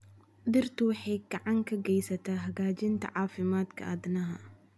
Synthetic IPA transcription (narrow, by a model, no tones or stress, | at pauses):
d̪ɪrt̪ʊwɑħɛjɡɐʕaŋkʰɐɡɛjsɐt̪ʰaːɦɐɡaːt͡ʃɪnt̪ʰɐ̰ʕaːfɪmaːd̪kʰɐ̰ʔaːd̪nɐɦɐ